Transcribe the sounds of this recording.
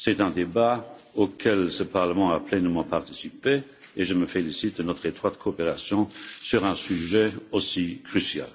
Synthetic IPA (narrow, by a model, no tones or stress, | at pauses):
sɛt̪ɛ̃d̪ebaokʰɛlsəpaʁləmɑ̃aplɛnmɑ̃paʁt̪i̥sipe | eʒəməfelisit̪̚d̪ənɔt̪χet̪χwat̪kʰoːpeʁasjɔ̃syʁɛ̃syʒɛosikʁysja̰l